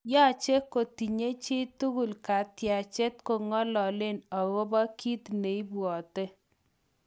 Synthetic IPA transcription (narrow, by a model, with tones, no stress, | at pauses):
ja˦˨t͡ʃe˦ko˨ti˨ɲe˦t͡ʃe˦tu˦ɡu˨lka˨tja˨t͡ʃe˦t̚ko˨ŋɔ˦lɔ˨lɪ˦nɔ˨ɣo˦ba˦ki˦t̪ne˨i˦bwɔ˨te˦